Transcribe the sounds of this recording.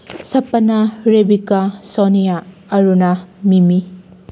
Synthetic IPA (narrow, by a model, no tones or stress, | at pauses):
sɐpɐnaɾebikasonijaɐɾunɐmimi